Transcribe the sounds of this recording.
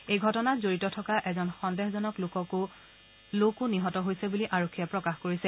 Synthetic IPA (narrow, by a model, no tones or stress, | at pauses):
ejɡʱɔtɔnazoɹitɔtʰɔkaʔɛzɔnxɔndɛɦzɔnɔklokɔkʊ | lokuniɦɔtɔɦojsɛbuliʔaɹokʰːiɛpɹɔkaxkoɹisɛ